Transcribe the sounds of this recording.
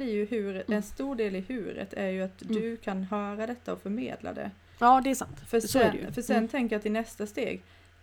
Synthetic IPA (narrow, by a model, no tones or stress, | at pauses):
ɪjɵɦʉ̟ːɾɛnst̪uːɖeːlɪhʉ̟ːɾə̰t̪ʰæɾjɵat̪d̪ɵkʰanɦœːɾad̪ɛt̪ʰːaɔfœɾmḛːd̪la̰d̪ɛ̰ | jɑːd̪ɛːsant̪fœsɖɛ̰j̰fœʂɛnt̪ʰɛŋkəɾjat̪ɪnɛst̪ast̪ḛːɡ